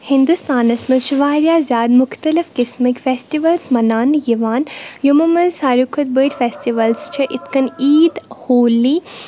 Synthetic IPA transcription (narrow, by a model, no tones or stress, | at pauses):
hɪnd̪ust̪aːnɐsmɐzʃʊʋaːɾjaːzʲjaːd̪mʊxt̪ɐlifkɪsmikʲfeːsʈiʋɐlsmɐnaːnjiʋaːnjumɐmɐzsaːɾukʰɐt̪̚bəʈʲfeːsʈiʋɐlst͡ʃʰɐʔɪt̪kɐniːd̪hoːliː